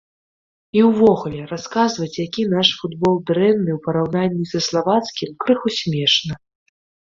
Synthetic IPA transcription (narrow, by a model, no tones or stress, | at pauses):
iwvɔɣulʲɛɾaskazvɐt͡sʲjakʲin̪aʂfud̪bɔlˠd̪ɾɛnːɨwpɐɾawnanʲːizɐslˠavat̪skʲimkɾɨxusʲmʲɛʂnɐ